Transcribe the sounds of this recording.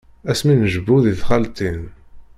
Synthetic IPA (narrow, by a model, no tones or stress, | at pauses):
æsminəʒəbːuðiθχælt̪in